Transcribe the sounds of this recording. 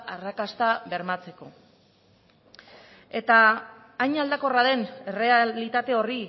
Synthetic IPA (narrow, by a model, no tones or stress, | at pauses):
arakast̪aβe̞ɾmat͡se̞ko̞̰ | e̞t̪aː | jɲald̪ako̞raðe̞nere̞alit̪at̪e̞o̞ri